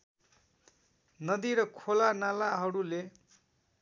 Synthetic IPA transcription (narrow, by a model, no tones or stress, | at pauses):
nʌd̪iɾʌkʰolanalaɦʌɾule